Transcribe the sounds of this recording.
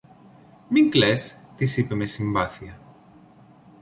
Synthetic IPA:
miŋklest̪isipemesimbaθiɐ

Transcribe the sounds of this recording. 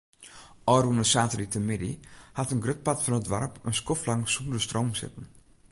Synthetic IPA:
ʔɔːrunəsaːtəritəmɪdḭhatənɡrøt̚patfɔnətʋa̰rpənskɔflaŋsundəstroːwmsɪ̰tən̩

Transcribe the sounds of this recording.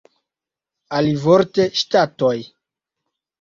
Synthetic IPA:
alivoɾte̞ʃtato̞j

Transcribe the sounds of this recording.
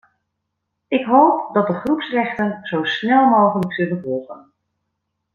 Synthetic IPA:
ɪkɦowp̚dɑt̚dəχrupsrɛχtənz̥owsnɛlˠmowχələksɵldəvɔlˠχə̰n

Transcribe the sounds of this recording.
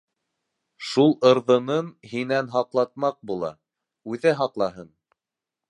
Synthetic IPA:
ʃulˠɤ̆ɾðɤ̆nɤmɦinænɦɑqlˠɑt̪̚mɑq̚bulˠɑ̰ | ʉðæɦɑqlˠɑɦɤn

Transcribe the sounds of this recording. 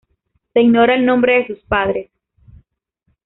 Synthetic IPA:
seiɡno̞ɾaelnõ̞mbɾe̞ðesuspaðɾe̞s

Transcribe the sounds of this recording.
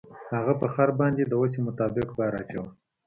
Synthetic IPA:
haɣapəxaɾbɑnd̪ed̪əwos̬emʊt̪ɑbɪqb̪ɑɾɑt͡ʃaw

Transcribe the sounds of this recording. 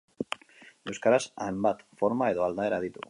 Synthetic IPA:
e̞wskaɾasajmbat̪fo̞ɾmae̞ðo̞ald̪ae̞ɾað̞it̪u̥

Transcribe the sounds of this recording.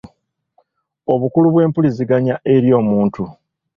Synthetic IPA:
o̞βukuluβwe̞ːmpuliziɡaɲaʔeɾjo̞ːmuːntu

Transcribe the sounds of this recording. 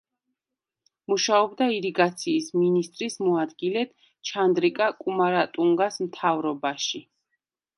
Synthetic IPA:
muʃaɔbd̪aiɾiɡat̪sʰiːsminist̪ʼɾismɔad̪ɡilɛt̪ | t͡ʃʰand̪ɾikʼakʼumaɾat̪ʼuŋɡasmt̪ʰavɾɔbaʃi

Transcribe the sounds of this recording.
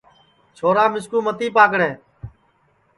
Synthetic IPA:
t͡ʃʰoːɾãːmɪskuːmət̪iːpaːkɽẽː

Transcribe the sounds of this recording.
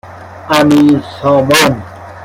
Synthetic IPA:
amisɔːmɔn

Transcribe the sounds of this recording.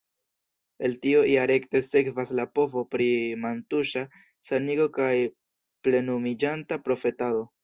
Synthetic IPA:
e̞ltio̞iaɾe̞kte̞se̞kvaslapo̞vo̞pɾimantuʃa | saniɡo̞kaj | ple̞numid͡ʒantapɾo̞fe̞tado̞

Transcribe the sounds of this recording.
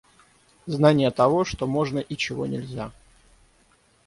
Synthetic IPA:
znanʲɪjət̪ɐvoʂt̪omo̞ʐnəʔit͡ɕɪvo̞̰nʲɪlʲzʲa

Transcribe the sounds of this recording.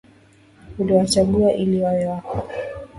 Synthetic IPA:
uliwat͡ʃaɓuaʔiliwawɛwakɔ

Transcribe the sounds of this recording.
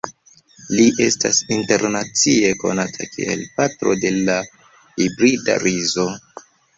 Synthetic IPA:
liʔe̞sta̰sinte̞ɾnat͡sie̞ko̞̰natʰakʰḭe̞̰lpatɾode̞la | hibɾida̰ɾizo̞

